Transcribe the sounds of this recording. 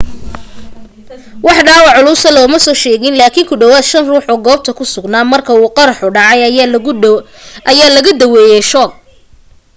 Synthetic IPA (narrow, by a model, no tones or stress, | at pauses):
wɑħɖaːwɑʕʊlʊsɐlɔːmɐsɔːʃɛːɣɪnlaːkʰɪːŋkʰʊɖɔwaːd̪ʃɐnruːħɔːɡɔːb̚t̪ʰɐkʰʊsʊɡnaːmɐrkʰɐuːqɑɾɑħʊɖɑʕɑj | ʔɐjaːlɐɣɐd̪ɐwɛːjɛʃɔːɡ̚